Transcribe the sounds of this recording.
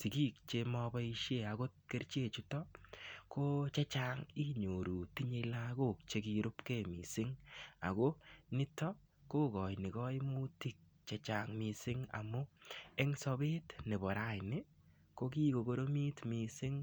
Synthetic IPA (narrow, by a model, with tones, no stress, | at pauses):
si˨ki˦k̚t͡ʃe˧mɔ˧bɔ˦i˧ʃje˦˨a˨ko˦t̚ke˦ɾt͡ʃe˦˨t͡ʃu˦tɔ˦ko˦t͡ʃɛ˦t͡ʃa˦ŋi˦ɲo˨ɾu˨ti˦ɲe˦˧la˦ko˦˨k̚t͡ʃe˦ki˧ɾʊ˦pke˦˨mḭ˨sɪ˦ŋa̰˨ko˦nɪ˦tɔ˦ | ko˦kɔ˨jnɪ˨kɔ˦i˦mu˦ti˦k̚ | t͡ʃɛ˧t͡ʃa˦ŋmɪ˧sɪ˦ŋa̰˨mʊ˦e˦ŋsɔ˧bɪ˦tnɪ˨bɔ˨ɾa˦jnɪ˦ | ko˦ki˦ko˨ɡo˧ɾo˦mi˦tmi˨sɪ˦ŋ